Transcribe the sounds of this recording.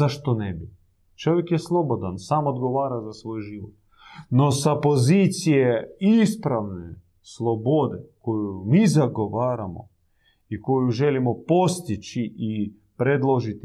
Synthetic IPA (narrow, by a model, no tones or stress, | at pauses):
aʃt̪onebi | t͡ʃo̞ʋjekjeslˠobod̪ansaːmod̪ɡo̞ʋaːɾazasʋo̞ːjʒiʋo̰t̪̚ | nosapo̞zit̪sijeispɾaʋne | slˠobo̞d̪eko̞jumizaɡo̞ʋaːɾamo̰ | iko̞juʒelimopo̞st̪it͡ʃiʔi | pɾed̪lˠoʒit̪i